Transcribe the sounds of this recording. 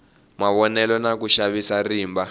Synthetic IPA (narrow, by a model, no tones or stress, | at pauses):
maβɔnɛlɔnak̬uʃaβisariːmba